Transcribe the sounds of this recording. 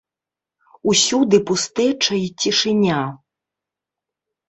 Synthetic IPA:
usʲud̪ɨpust̪ɛt͡ʂɐit͡sʲiʂɨnʲa

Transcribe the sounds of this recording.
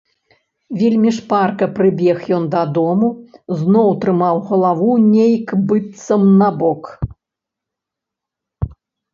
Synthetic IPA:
vʲilʲmʲiʂparkɐpɾɨbʲɛxjɔnd̪ɐd̪ɔmuznɔwt̪ɾɨmawɣɐlˠavunʲejkbɨt̪sɐmnɐbɔk

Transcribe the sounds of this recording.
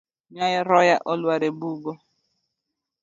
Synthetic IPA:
ɲajɪɾɔjaʔɔlwaɾebuɡo

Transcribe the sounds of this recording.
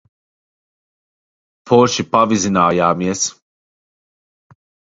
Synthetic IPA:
pʰɔːʃipavizinaːjaːmiɛs

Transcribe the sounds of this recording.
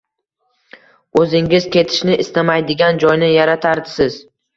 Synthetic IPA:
ɵzɪŋɪz̥kʲe̞t̪ʰɪ̥ʃnɪʔɪst̪amajd̪ɪɡʲand͡ʒɒjnɪjaɾat̪ʰaɾd̪ɪsɪz̥

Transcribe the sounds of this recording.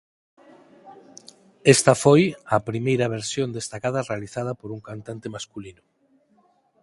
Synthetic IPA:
est̪ɐfojɐpɾimejɾɐβ̞eɾsjõnd̪est̪akað̞ɐrealiθað̞ɐpoɾuŋkant̪ant̪emaskulinʊ

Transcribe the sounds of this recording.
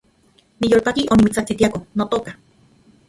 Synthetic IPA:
nijoːlpakiʔonimit͡sat͡sit̪iakonot̪oka

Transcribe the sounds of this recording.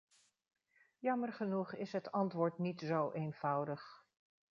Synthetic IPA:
jɑməɹχənuχɪsɦətɑntʋʊːɹtnitzowʔejnv̥ʌwdəχ

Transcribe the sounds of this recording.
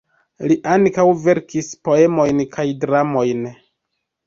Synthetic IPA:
liʔaŋkawve̞ɾkispo̞e̞mo̞jnkʰajdɾamo̞jn

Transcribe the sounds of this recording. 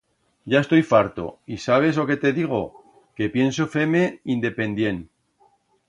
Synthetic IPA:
ɟ͡ʝaest̪o̞jfaɾt̪o̞̰isaβ̞e̞zlo̞ke̞t̪e̞ðiɣ̞o̞ | ke̞pje̞ns̬o̞fe̞me̞ind̪e̞pe̞nd̪je̞n

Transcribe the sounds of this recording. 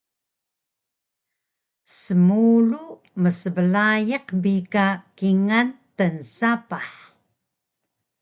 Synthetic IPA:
səmuɻu | məsəvəlajəqbikakiŋantənsapaħ

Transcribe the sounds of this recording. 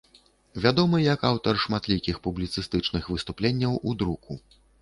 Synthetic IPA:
vʲad̪ɔmɨjɐkawt̪ɐrʂmat̪lʲikʲixpublʲit̪sɨst̪ɨt͡ʂnɨxvɨst̪uplʲenʲːɐwʔud̪ɾuku

